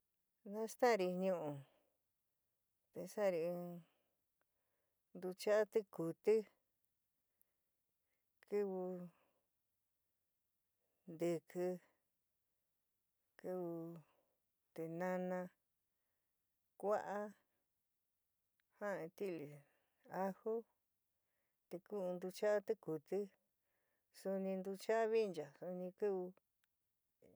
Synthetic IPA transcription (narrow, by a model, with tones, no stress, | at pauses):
nã˦˧st̪ã˦˧ɾi˧ɲũ˧ʔũ˨ | t̪e˧sa˦˨˧ɾĩ˧ | nd̪u˧t͡ʃa˦ʔa˦t̪i˦ku˨t̪i˦ | kɨ˧βu˧ | nd̪ɨ˧kɨ˧ | kɨ˧βu˧ | t̪e˧nã˧nã˧ | kʷa˦ʔa˦ | hã˦ẽ˧t̪i˦˨li˨ | a˦ho˦ | t̪e˧ku˦˧nd̪u˧t͡ʃa˦t̪e˦ku˨t̪ɨ˦ | su˧nĩ˧nd̪u˧t͡ʃa˦βi˦˧nd͡ʒa˨su˧nĩ˧kɨ˦βu˧